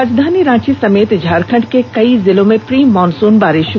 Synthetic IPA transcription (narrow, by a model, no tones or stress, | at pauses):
ad͡ʒd̪ʱaːniɾãːt͡ʃisɐmeːt̪d͡ʒʱaːɾkʰɐ̃ɳɖkekɐizɪlõmẽpɾiːmːɔːnsuːnbaːɾɪʃ